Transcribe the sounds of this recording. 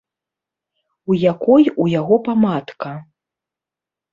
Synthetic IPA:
ujakɔjujaɣɔpamat̪kɐ

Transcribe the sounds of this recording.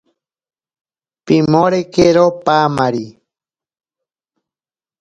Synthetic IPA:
pimoɾekeɾopamaɾi

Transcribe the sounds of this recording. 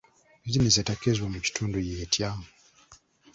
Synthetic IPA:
zinezetakezwamuci̥tʰuːndujeːtʰja

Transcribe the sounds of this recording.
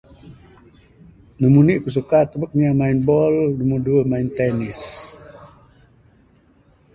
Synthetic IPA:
nəmuniʔkus̬əkat̪ːəbək̚ɲamainbɔlnumərduəmaint̪ɛnis

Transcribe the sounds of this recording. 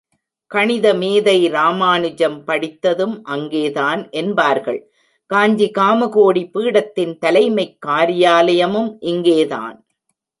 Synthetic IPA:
kɐɳɪðɐmeːðɐɪɾaːmaːnɯd͡ʒɐmpɐɽɪt̪ːɐðɯmʔɐŋɡeːðaːnʔɛnbaːɾɣɐɭ | kaːɲd͡ʒikaːmɐɣoːɽipɯːɽɐt̪ːɪnt̪ɐlɐɪmɐɪkːaːɾɪjaːlɐjɐmɯmʔɪŋɡeːða̰ːn

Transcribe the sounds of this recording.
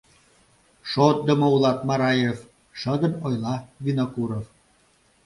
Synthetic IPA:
ʃot̪̚d̪əmoulɑt̪mɑɾɑjev | ʃəd̪ənojlɑvinokuɾov

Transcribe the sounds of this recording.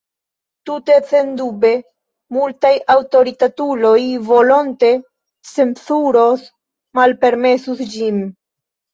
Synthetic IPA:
tute̞t͡se̞ndube̞ | multajawto̞ɾitatulo̞jvo̞lo̞nte̞ | semsuɾo̞s | malpe̞ɾme̞susd͡ʒim

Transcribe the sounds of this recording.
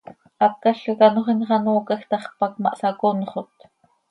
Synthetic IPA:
ɑp̚kɑɬokɑnoχinχɑnoːkɑxt̪ɑχpɑkmɑ̰ʔsɑkonχot̪

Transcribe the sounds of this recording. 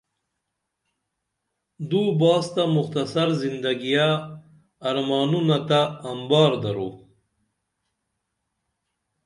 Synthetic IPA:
d̪ubɑːst̪amʊxt̪ɐsaɾzind̪ɐɡijaː | ɾmɑːnunat̪aːmbɑːɾd̪ɐɾṵ

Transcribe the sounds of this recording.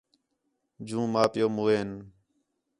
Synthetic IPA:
d͡ʒũːmaːpɪjoːmuːeːn

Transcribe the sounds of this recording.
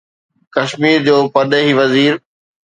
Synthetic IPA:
kɐʃmiːɾd͡ʑoːpɐɗəɦiʋɐziːɾ

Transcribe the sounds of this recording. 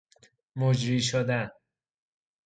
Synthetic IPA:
mod͡ʒɾiːʃ̬od̪æn

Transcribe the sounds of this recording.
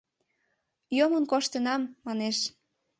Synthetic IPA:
jomənkoʃt̪ənɑmːɑneʃ

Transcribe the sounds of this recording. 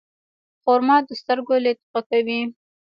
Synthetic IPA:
χoɾmɑd̪əst̪əɾɡolet̪ɪqakawi

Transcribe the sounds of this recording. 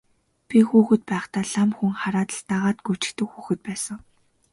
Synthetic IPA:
pʲixuːxɘ̆t̪̚pæːχt̪aːɮamxuŋχaɾaːt̪ə̆ɮt̪aʁaːt̪ɡu̥t͡ɕɪ̆kt̪ɵ̆kxuːxɘ̆t̪̚pæːsə̆ŋ

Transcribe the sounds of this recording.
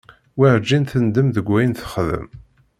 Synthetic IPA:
wiɾd͡ʒːinθənd̪əmðəɡʷːæjənθə̥χðə̰m

